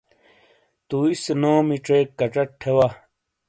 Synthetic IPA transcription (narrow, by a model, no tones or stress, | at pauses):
t̪uisenoːmiʈ͡ʂeːkːɐʈ͡ʂɐʈʰewa